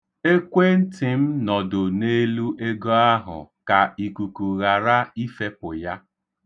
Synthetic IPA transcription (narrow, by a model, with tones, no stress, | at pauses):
e˦kʷe˦n̩˦tɪ˨m̩˦nɔ˨dʊ˨ne˦lu˦ʔe˦ɡo˦a˦ɦʊ̰˨ka˨i˨ku˨ku˨ɣa˨ɾa˦i˦fe˦pʊ˨ja˦